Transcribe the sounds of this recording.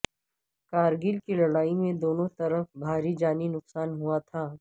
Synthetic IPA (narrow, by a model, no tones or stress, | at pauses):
kaːɾɡiːlkilɐɽaːimẽd̪oːnõt̪ɐɾəfbʱaːɾid͡ʒaːninʊqsaːnɦuat̪ʰaː